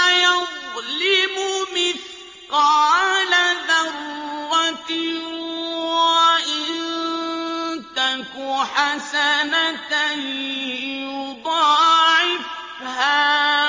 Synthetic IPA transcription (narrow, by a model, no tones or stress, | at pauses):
jɑðlɪmʊmɪθ | qɑːlaðɑrːat̪ | waʔɪnn | t̪akʊħasanat̪a | jjʊd̪ˤɑːʕɪf | haː